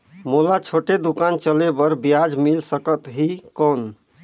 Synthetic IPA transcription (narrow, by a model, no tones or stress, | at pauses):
molat͡ʃʰoʈed̪ukant͡ʃəlebəɾbijad͡ʒmilsəkət̪ɦikɔn